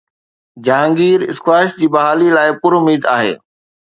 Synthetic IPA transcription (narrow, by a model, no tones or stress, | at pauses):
d͡ʑãːŋɡiːɾɪ̰skwaːɪʃd͡ʑiːbɐɦaːlilaːɪpʊɾʊmiːd̪aːɦḛː